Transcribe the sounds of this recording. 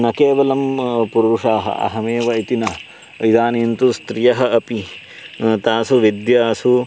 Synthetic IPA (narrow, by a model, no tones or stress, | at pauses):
nɐkeːʋɐlɐmpuɾuʂaːɦɐ̰ʔɐ̰ɦɐmeːʋɐit̪inɐ | id̪aːniːnt̪ust̪ɾijɐɦɐ̆ʔɐpi | t̪aːsuʋid̪jaːsu